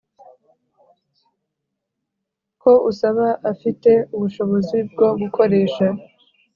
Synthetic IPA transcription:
ko̞usaβaʔafite̞uβuʃo̞βo̞zib̚ɡo̞ɡukʰo̞ɾe̞ːʃa

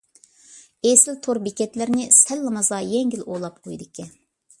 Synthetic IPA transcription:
esɪlt̪ʰoɾbikʲɛt̪lɪɾnɪsɛlːɨmɑzɑjɛŋɡʲilolˠɑp̚qʰojd̪ɪkʲːɛ

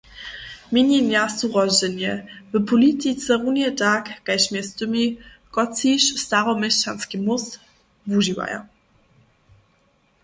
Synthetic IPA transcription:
mʲinʲimjast̪uʁɔʑɛnjɛvɘpʰɔlit̪it̪t͡s̪ɛʁunʲjɛtakɡ̥ajʃmʲjɛst̪ɨmi | kɔt͡siʃst̪aʁɔmɛɕt͡ʃanskimus | vuʒiwa̰ja̰

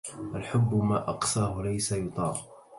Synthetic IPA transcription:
ʔalħʊbːʊmaːʔɑqsaːhʊlajsajʊt̪ˤɑːɾ

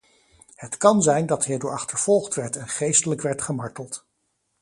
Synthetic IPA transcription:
hətkɑnzɛjndɑtɦɪːɹdoːɹɑχtəɹv̥ɔlˠχtʋɛɹtɛnχejstələkʋɛɹtχəmɑɹtəlˠt

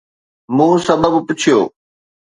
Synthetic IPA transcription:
mũːsɐbəbpʊt͡ɕʰijo̰ː

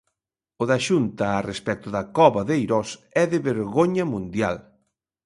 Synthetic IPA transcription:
ʊðɐʃunt̪ɐːrespɛk̚t̪ʊðɐkɔβɐðejɾɔsɛðɪβeɾɣoɲɐmũnd̪ja̰l

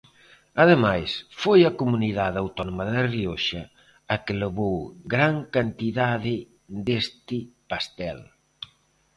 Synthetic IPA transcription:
aðemajsfojakomuniðaðawt̪ɔnomaðɪrioʃa | akeloβowɡɾaŋkant̪iðaðɪ | d̪est̪ɪpast̪ɛl

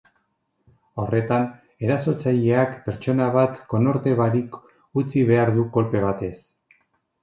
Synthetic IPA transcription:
o̞re̞t̪an | e̞ɾaso̞t͡sajeakpe̞ɾt͡ʃo̞naβat̪ko̞no̞ɾt̪e̞βaɾik | ut͡siβ̞e̞aɾðuko̞lpe̞β̞at̪e̞s

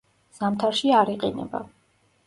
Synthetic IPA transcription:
z̥amt̪ʰaɾʃiaɾiqʼinɛ̰ba̰

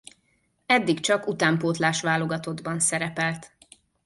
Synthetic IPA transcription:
ɛd̪ːikt͡ʃɒkut̪aːmpoːt̪laːʃʋaːlo̞ɡɒt̪o̞d̪bɒnsɛɾɛpɛlt̪

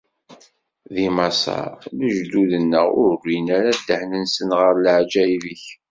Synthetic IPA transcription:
ðimɑsɑ̰ɾləʒd̪uðənːəʁʊ̰ɾrːinæɾad̪ːəħnənsənʁəɾləʕd͡ʒæivəç

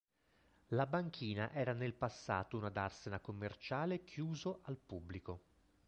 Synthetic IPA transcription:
labaŋkʰiːnaʔɛːɾanelpasːa̰ːt̪ounad̪arsenakomːert͡ʃaːlekʰjuːzoʔalpubːliko

